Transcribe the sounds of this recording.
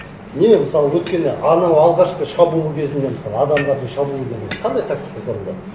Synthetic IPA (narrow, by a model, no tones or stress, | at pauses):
nememəsɑlˠəwɵt̪kʲe̞neʔɑnɑwɑlˠʁɑʃqəʃɑbulˠukʲʰe̞zɪnd̪e̞məsɑlˠəɑd̪ɑmd̪ɑɾd̪əɴʃɑbulˠukʰʲezɪnqʰɑnd̪ɑjt̪ʰak̚t̪i̥kasoɾzɑ̰